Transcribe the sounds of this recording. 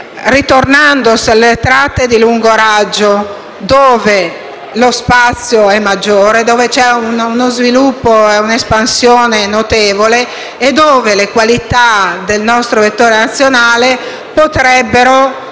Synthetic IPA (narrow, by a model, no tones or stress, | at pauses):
rit̪ornand̪oselːet̪ɾat̪ːed̪iluŋɡoɾad͡ʒːo | d̪oːve | lospat̪sːjoɛmːad͡ʒːoːɾed̪oːvet͡ʃɛununozvilupːoeunespansjoːnenot̪eːvoleː | d̪oːvelekwalit̪ad̪elnɔst̪ɾovet̪ːoːɾenat̪sːjonaːle | pot̪ɾɛbːeɾo